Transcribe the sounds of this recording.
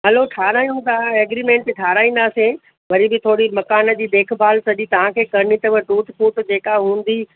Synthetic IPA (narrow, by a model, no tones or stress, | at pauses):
ɦɐloʈʰaːɾaːĩnũd̪aeːɡɾimẽːɳʈʈʰaːɾaːĩːn̆d̪aːsẽ | ʋɐɾibɪt̪ʰoːɽimɐkaːnə̆d͡ʑiːd̪eːkʰbʱaːlsɐʄit̪ɐʋ̤ãkʰeːkɐɾnit̪ɐʋəʈuːʈpuʈd͡ʑeːkaɦɦũːn̆d̪i